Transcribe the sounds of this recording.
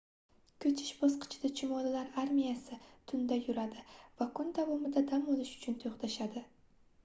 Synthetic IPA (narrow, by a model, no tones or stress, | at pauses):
kʲʰɵt͡ʃʰɪ̥ʃbɒsqʰɨ̥t͡ʃʰɪd̪at͡ʃʰɪmɒlɪlaɾaɾmijasɪt̪ʰʊnd̪ajʊɾad̪ɪvakʰʊnd̪avɒmɪd̪ad̪amolɪʃʊ̥t͡ʃʰʊnt̪ʰoχt̪aʃad̪ɪ